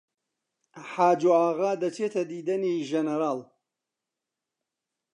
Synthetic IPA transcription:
ħaːd͡ʒoaːɣaːd̪ɐt͡ʃʰet̪ʰɐd̪iːd̪ɐniʒɐnɛɾaːl

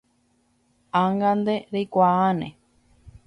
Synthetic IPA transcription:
aŋɡand̪eɾejkʷaanḛ̃

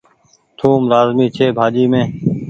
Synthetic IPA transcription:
t̪ʰuːmɾaːzmiːt͡ʃʰeːbʱaːd͡ʒiːmẽː

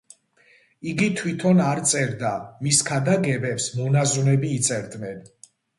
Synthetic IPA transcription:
iɡit̪ʰwit̪ʰɔnaɾt̪sʼɛɾd̪amiskʰad̪aɡɛbɛpsmɔnazunɛbiːt̪sʼɛɾd̪nɛn

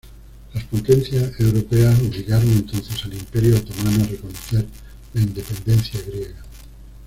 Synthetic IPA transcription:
laspot̪ẽn̟θjasewɾopeasoʎiɣaɾoŋent̪on̟θesalimpeɾjoawt̪omãnoarekonoθeɾ | laind̪epẽ̞nd̪en̟θjaɣɾjeɣa

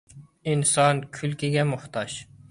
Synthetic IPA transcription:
insɑnkʲʰylkʲʰiɡʲɛmʊχt̪ʰɑʃ

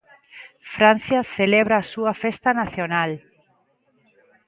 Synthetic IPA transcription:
fɾan̟θjaθeleβɾaːsuafest̪anaθjonal

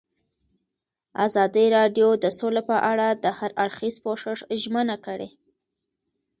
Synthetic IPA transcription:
a̰zɑd̪iɾɑɖjod̪əsolepəʔaɽad̪əhaɾʔaɽxizpoʂɪʂʒmənakəɽḛ

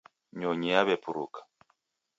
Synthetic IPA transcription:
ɲɔɲiaβɛpuɾṵkḁ

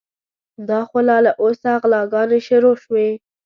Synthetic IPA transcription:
d̪ɑxolɑlaʔosaɣlɑɡɑneʃʊɾoʃwe

